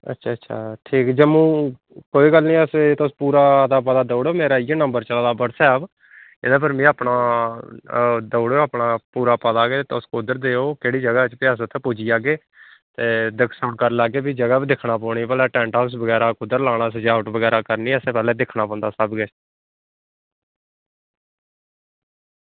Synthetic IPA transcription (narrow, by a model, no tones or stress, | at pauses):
ə̰tːʃʰaːətːʃʰa̰ːʈʰiːkd͡ʒəmũː | koːiːɡəlnĩːɛset̪ʊspuːɾaːd̪aːpəd̪aːd̪əːɽoːmeːɾaːɪjeːnəmbəɾt͡ʃəlaːd̪aːbəɽsɛːb | ɪd̪aːp̬əɾmĩːaːpɳaː | d̪oːɽeoːaːpɳaːpuːɾaːpəd̪aːɡeːt̪ːt̪ːʊskʊd̪əɾd̪eːoːkeːɽiːd͡ʒəɡaːt͡ʃpɪaːs̬t̪ʰeːpoːd͡ʒiːaːɡeː | t̪eːd̪əkʰsaːɳkəɾlaːɡeːbiːd͡ʒəɡaːbid̪ɪkʰnaːpɔːɽiːpəlɛːʈɛ̃ːɳʈaːs̬bəɡɛːɾaːkʊd̪əɾlaːɽ̃aːsəd͡ʒaːʋʈbəɡɛːɾaːkəɾniːseːpɛːlɛːd̪ɪkʰnaːpɔ̃ːnd̪aːsəbɡeː